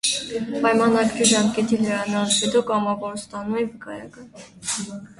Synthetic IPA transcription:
pɑjmɑnɑɡɾiʒɑmkɛt̪ilɛɾɑnɑhɛd̪ɔkɑmɑvɔɾst̪ɑnuɛvəkɑjɑkɑn

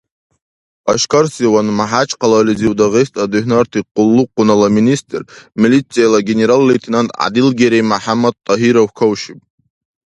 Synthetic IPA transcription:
aʃkʰarsiwanmaħat͡ʃʼqʰalaliziwdaʁestʰʼaduħnartʰiqʼʊlːuqʼːʊnalaministʼrmilit͡sʰʼːijalaɡʲenʲeɾalːejtʰinantʼʕa̰dilɡʲeɾejmaħamːad̪̚t̪ʼːaɦiɾawkʰawʃipʼ

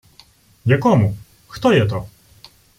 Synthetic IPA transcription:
ɲʲɛkɔmu | xt̪ɔjɛt̪ɔ

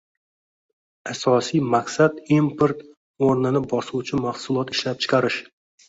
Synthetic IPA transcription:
asɒsijmaqsad̪impʰeɾt̪ | oɾnɪnɪbɒsuwt͡ʃʰɪmahsʊlˠɒt̪ɪ̥ʃlap̚t͡ʃʰɪ̥qʰɑɾɪʃ

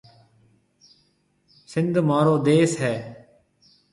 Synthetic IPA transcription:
sɪnd̪ʱmaːɾoːd̪eːsɦɛː

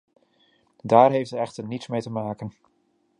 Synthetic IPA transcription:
daːɹɦejftəɛχtəɹnitsmejtəmaːkən

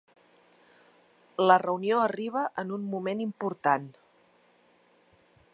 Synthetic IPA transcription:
lərəunioəriβ̞əʔənunmumenimpuɾt̪an

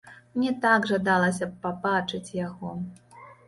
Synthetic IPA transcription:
mnʲɛt̪aɡʐad̪alˠɐsʲɐpabat͡ʂɨt͡sʲjaɣɔ

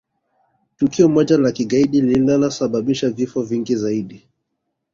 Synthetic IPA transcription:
tukiɔmɔʄalakiɠaiɗiliilalasaɓaɓiʃavifɔviŋɡizaiɗi

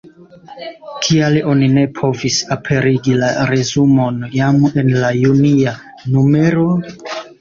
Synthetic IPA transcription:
kʰialo̞nine̞pʰo̞visapʰe̞ɾiɡilaɾe̞zumo̞njame̞nlajunia | nume̞ɾo̞

